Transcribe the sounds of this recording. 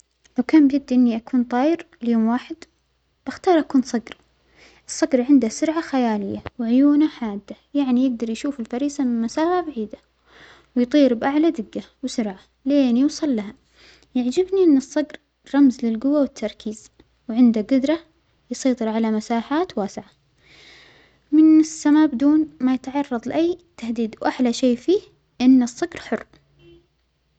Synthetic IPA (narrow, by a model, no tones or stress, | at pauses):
lawkaːnbjɪɡ̚d̪iʔɪnːiʔakuːnt̪ˤɑːjɪɾɪljoːmwaːħɪd̪ | b̥ʔaxt̪ɑːɾˤʔakuːnsˤɑɡɾ | ʔɨsˤːɑɡɾʕɪnd̪asʊɾʕaxajaːlɪjːawʕʊjuːnaħaːd̪ːajaʕnijɪɡ̚d̪ɑɾˤjʃuːfɪlfaɾiːsamɪnmasaːfabaʕiːd̪a | wɪjt̪ˤiːɾbʔaʕlad̪ɪɡːawɪsʊɾʕa | leːnjʊːsˤɨlːaɦa | jaʕd͡ʒɪbniʔɪnːɨsˤːɑɡɾ | ɾˤɑmzlɪlɡʊwawɪt̪ʰːɑɾˤkʰiːz̥ | wʕɪnd̪aɡʊd̪ɾˤɑ | jɑsˤɑjt̪ˤɨɾʕalamasaːħaːt̪waːsɪʕa | mɪnɪsːamaːbɪd̪uːnmajɪt̪ʕɑrˤːɑðˤlɪʔajːt̪ahd̪iːd̪wʔaħlaʃeːfiː | ʔɪnːɨsˤːɑɡɾħʊrː